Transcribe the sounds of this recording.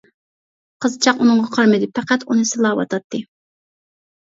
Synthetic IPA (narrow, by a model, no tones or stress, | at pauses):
qʰəzt͡ʃʰɑqunɨŋʁɑqʰɑɾmɨd̪ɪpʰæqæt̪unɨsɨlˠɑːwɑ̰t̪ʰɑt̪ʰːɨ